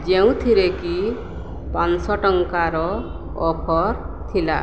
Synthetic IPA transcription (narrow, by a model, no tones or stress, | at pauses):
d͡ʒeũt̪ʰiɾeki | pansɔʈɔŋkaɾɔː | pʰɔɾ | t̪ʰila̰